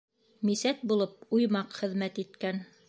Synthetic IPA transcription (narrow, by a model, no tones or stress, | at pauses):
misæt̪̚bulˠɤp̚ujmɑqχɘ̆ðmæt̪it̪kæn